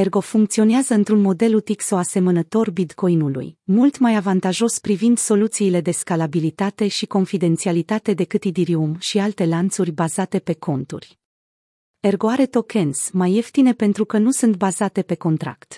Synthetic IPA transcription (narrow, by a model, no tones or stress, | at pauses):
e̞rɡo̞fuŋk̚t̪sio̞neazəɨnt̪ɾunmo̞d̪e̞lut̪ikso̞ase̞mənət̪o̞rbit̪kʰo̞inulṵjmult̪majavant̪aʒo̞spɾivind̪so̞lut̪siːle̞d̪e̞skalabilit̪at̪e̞ʃiko̞nfid̪e̞nt̪sialit̪at̪ed̪e̞kɨt̪id̪iɾiumʃialt̪e̞lant̪surʲbazat̪e̞pe̞kʰo̞nt̪ṵrʲ | e̞rɡo̞aɾe̞t̪o̞kʰe̞nsmaje̞ft̪ine̞pe̞nt̪ɾukənusunt̪̚bazat̪e̞pe̞ko̞nt̪ɾa̰kt̪